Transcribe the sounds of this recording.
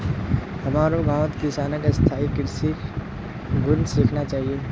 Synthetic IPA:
hɐmaːɾobʱaːt̪kisaːnəkest̪ʰaːikɪɾsiːk | ɡʊnsiːkʰnat͡ʃaːɦieː

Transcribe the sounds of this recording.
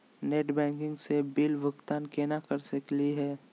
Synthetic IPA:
neːʈbɛ̃ːŋkɪ̃ŋɡsebɪlʋəkt̪aːnkenakɐɾsəkliɦɛː

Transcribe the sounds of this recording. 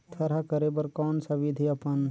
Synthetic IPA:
t̪ʰɐɾakəɾebəɾkɔːnsɐʋid̪ʱiɐpən

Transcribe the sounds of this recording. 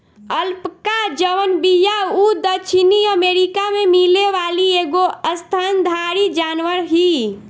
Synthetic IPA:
əlpkad͡ʒəʋənbijaud̪ət͡ʃʰiniəmeɾikamemileʋalieɡoəst̪ʰand̪ʱaɾid͡ʒanʋəɾɦi

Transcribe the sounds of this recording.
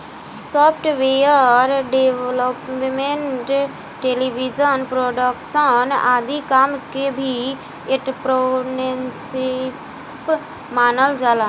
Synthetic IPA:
sɔːpʰʈʋeəɾɖeʋləpmẽɳʈ | ʈeːliʋid͡ʒənpɾoːɖəkʃənaːd̪ikaːmkebʱi | eʈpɾonensɪ | p | maːnəld͡ʒalaː

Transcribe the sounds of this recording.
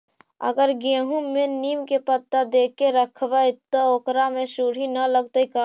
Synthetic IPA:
ə̰ɡəɾɡẽːɦũmẽniːmkepət̪ːad̪eːkːeɾəkʰʋət̪əoːkɾamẽsuːɽ̤inələɡ̚t̪əika

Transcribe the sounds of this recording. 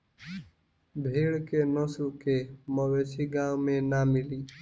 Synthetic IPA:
bʱeːɭkeːnoːslkeːməʋeːsiːɡãːwmẽːnaːmɪliː

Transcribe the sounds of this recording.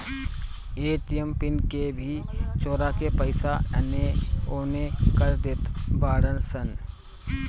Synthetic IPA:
eːʈijempɪnkebʱit͡ʃoːɾakepəɪsaɛneoːnekəɾd̪et̪baːɽənsən

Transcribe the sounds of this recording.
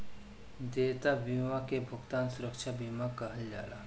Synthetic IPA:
d̪eːt̪abimãkebʱʊɡt̪aːnsʊɾəkʃʰabiːmakɐɦəld͡ʒa̰ːla

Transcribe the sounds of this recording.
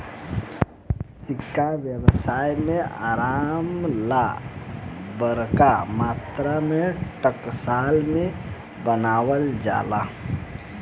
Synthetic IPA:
sɪkːaʋjəwsaːjmẽaːɾaːmla | bəɾkamaːt̪ɾameʈəksaːlmẽ | bənaːwəld͡ʒa̰ːla

